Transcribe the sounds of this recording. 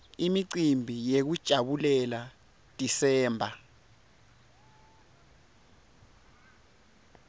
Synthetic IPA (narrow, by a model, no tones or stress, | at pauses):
imiǀimbʱijek̬ud̥ʒ̥ʱaɓulɛla | d̥ʱisɛːmbʱa